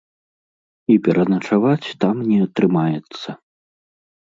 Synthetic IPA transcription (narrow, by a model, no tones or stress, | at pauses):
ipʲɛɾʔɐnɐt͡ʂavat͡sʲt̪amnʲɛɐt̪ɾɨmajɛt̪sːɐ